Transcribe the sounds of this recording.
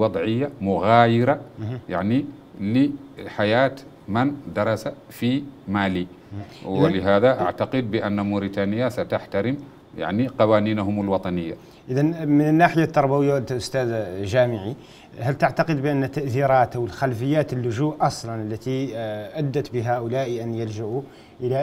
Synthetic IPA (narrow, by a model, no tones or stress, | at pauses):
wɑd̪ˤʕɪjːamʊɣaːjɪɾaja̰ʕni | lɪħajaːt̪ | mand̪ɑɾˤɑsafimaːli | wɪlɪɦaːðaʔa̰ʕt̪ɑqɪd̪̚bɪʔanːamʊɾit̪aːnɪjːasat̪aħt̪aɾɪm | ja̰ʕniqɑwaːniːnɦʊmalwɑt̪ˤɑnɪjːa | ʔɪd̪ænmənənːaħɪjat̪ːɑɾˤbawəjːawnt̪ʔʊst̪æd̪ʒaːməʕi | hælt̪aʕt̪ɑqəd̪bɪʔænːət̪ːaʔθiɾˤɑːt̪awəlxælfəjːæːt̪əlːʊʒuːʔʔɑsˤlɑnəlːæt̪iʔæd̪ːæt̪bəɦaʔʊlæːʔʔænjəlʒɪʔu | ʔəla